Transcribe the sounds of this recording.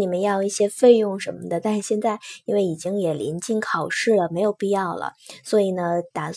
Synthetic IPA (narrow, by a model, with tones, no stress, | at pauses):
ni˨˩mə˧˦njɑ˥˧ʊi˥˩ɕjɛ˥fe˥˧ɪjʊ˥˩ŋʂə˧˥nmə˧d̪ə˨˧t̪a˥˧nʂɻ̩˥˩ɕjɛ˥˧nt͡sa˥˩ɪi˥nwe˥˩ɪi˨˩t͡ɕi˥ŋjɛ˨˩lḭ˧˥nt͡ɕi˥˩ŋkʰɑ˨˩ʊʂɻ̩˥˩lə˩me˧˥ɪjo˨˩ʊpi˥˧jɑ˥˩ʊlə̰˩swɔ˧˥i˨˩nə˦t̪a˨˩